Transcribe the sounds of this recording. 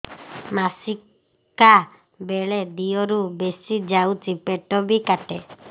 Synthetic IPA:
masi | ka | beɭed̪iɔɾubesid͡ʒawt͡ʃipeʈɔbikaʈe

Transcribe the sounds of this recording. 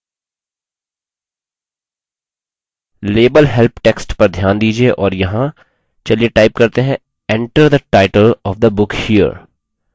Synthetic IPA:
leːbəlɦɛlpʈeksʈpɐɾd̪ʱjaːnd̪iːd͡ʒieʔɔːɾjɐɦã | t͡ʃɐlieʈaɪp̚kɐɾt̪eɦɛ̃ | ɛ̃ɳʈəɾd̪əʈaːɪʈəlɔːʋd̪əbʊkhiːə̰ɾ

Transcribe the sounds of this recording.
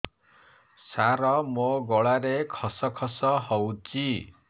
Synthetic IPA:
saɾɔmoɡɔɭaɾekʰɔsɔkʰɔsɔɦɔwt͡ʃi

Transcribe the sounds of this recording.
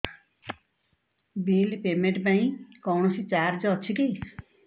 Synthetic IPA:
bilpemẽɳʈpãĩkɔwɳɔsit͡ʃaɾd͡ʒɔːt͡ʃʰiki

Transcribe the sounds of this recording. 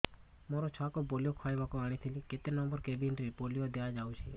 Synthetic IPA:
mɔɾɔt͡ʃʰɔakɔpolijokʰajbakuaɽ̃it̪ʰiliket̪enɔmbɔɾkebinɖɾipolijod̪ead͡ʒawt͡ʃʰḭ

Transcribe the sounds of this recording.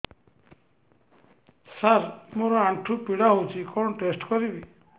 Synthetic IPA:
saɾmoɾɔaɳʈʰupiɽaɦowt͡ʃʰikɔɽ̃ʈesʈkɔɾibi

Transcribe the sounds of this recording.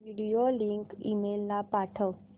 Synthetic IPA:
ʋiɽijoliŋkḭmelːapaʈʰəʋ

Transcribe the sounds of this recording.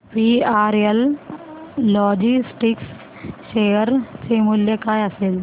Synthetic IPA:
piːaːɾjəlː | ɔːd͡ʒisʈiks | ʃejəɾt͡semuljəkaːjəseːl

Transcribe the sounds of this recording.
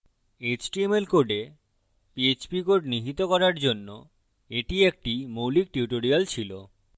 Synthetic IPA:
et͡ɕʈiemelkoɖe | piet͡ɕpikoɖniɦit̪okɔɾaɾd͡ʑonːo | eʈiek̚ʈimowlik̚ʈiuʈoɾialt͡ɕʰilo

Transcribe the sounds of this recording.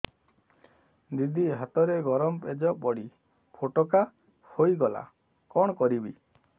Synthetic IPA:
d̪id̪ʱiɦat̪ɔɾeɡɔɾɔmped͡ʒɔbɔɽi | pʰoʈɔka | hojɡɔla̰ | kɔɽ̃ɔkɔɾibi

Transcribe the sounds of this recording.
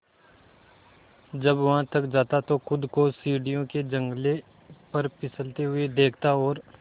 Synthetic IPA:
d͡ʒɐbʋɐɦãt̪ɐkd͡ʒaːt̪at̪oxʊd̪kosiːɖijõked͡ʒɐ̃ŋɡle | pɐɾpɪsəlt̪eɦʊed̪eːkʰt̪aɔːɾ

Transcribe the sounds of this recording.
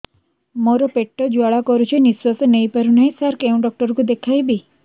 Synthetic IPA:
mɔɾɔpeʈːɔd͡ʒuaɭakɔɾut͡ʃʰeniswɔsnəjpəɾunaĩsaɾkeũɖɔk̚ʈɔɾkud̪ekʰajbi

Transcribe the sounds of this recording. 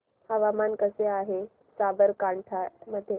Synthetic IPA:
həʋamankəseaɦe | sabəɾkaɳʈʰaməd̪ʱje

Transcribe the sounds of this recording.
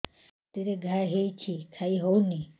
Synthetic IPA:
t̪eɾeɡʱaɦet͡ɕʰikʰaiɦowni

